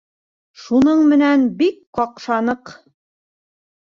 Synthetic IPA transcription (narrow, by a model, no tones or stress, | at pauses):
ʃunɤɴmɘ̆nænbikqɑqʃɑnɤq